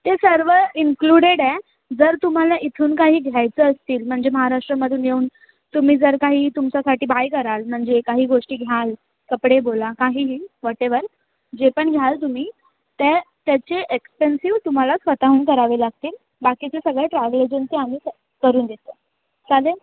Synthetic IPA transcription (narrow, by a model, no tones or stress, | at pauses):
t̪esəɾʋəinkluɽeɽɛ | d͡zəɾt̪um̤alaʔit̪ʰuːnkaɦiːɡʱjajt͡səəst̪iːlm̤əɳd͡zeməɦaɾaʂʈɾəməd̪ʱjuːnjeuːn | t̪um̤iːd͡zəɾkaɦiːt̪umt͡ɕasaʈiːbajkəɾalm̤əɳd͡zekaɦiːɡoʂʈiːɡʱjal | kəpɽebolakaɦiːɦiːʋɔʈeʋəɾ | d͡ʑepəɳɡʱjalt̪um̤iː | t̪et̪jat͡ɕeʔekspensiʋt̪um̤alasʋət̪aɦuːnkəɾaʋelaɡ̚t̪iːl | bakit͡sesəɡɭeʈɾaʋled͡ʑunt̪eamiː | kəɾuːnd̪et̪ə | sale